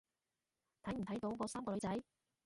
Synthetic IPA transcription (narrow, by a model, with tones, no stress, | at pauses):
t̪ʰɐ˨˥jm̩ʰ˨˩ɐ˨˥jt̪o˨˧˥wkɔː˨˧saː˥mkɔː˧lɵ˨˧˥t͡sɐ˨˥j